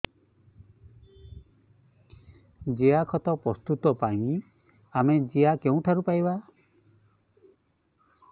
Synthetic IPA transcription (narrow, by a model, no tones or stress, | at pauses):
d͡ʒeakʰɔt̪ɔpɾɔst̪ut̪ɔpaĩ | amed͡ʒiakeũʈ̪ʰaɾupajba